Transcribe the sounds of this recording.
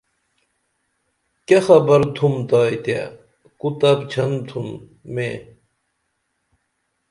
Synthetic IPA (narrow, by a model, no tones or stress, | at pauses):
kexɐbɐɾt̪ʰumt̪aːjt̪a̰ | kut̪ɐbt͡ɕʰɐnt̪ʰun | me